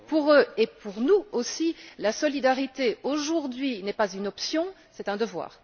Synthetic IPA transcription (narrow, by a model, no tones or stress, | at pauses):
puʁøepuʁnuosilasɔlid̪aʁit̪eoʒuʁd̪ɥinɛpazynɔpsjɔ̃ | sɛt̪ɛ̃d̪əvwa̰ːʁ